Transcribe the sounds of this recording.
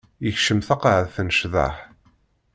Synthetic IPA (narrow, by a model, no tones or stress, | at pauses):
jəçʃəmθɑqʕəðθənʃða̰ħ